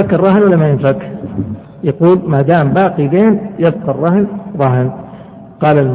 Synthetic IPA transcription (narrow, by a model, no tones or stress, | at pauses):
akːɑrˤːɑhɪnwalːamajɪnsak | jɑquːlmad̪aːmbaːqid̪eːnjɪb̚qɑrˤːɑhɪnɾˤɑɦɪn | qɑːlal